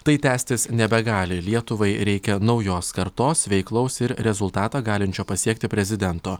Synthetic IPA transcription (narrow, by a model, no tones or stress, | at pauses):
t̪ɐɪt̪ʲæːsʲt̪ʲɪsnʲɛbʲɛɡɑːlʲɪlʲiɛt̪ʊʋɐɪɾʲɛɪkʲɛnɒʊjoːskɐɾt̪oːsʋʲɛɪklˠɒʊsɪɾɾʲɛzʊlˠt̪ɑːt̪ɑːɡɑːlʲɪnʲt͡ʃʲoːpɐsʲiɛk̚t̪ʲɪpʲɾʲɛzʲɪd̪ʲɛnt̪oː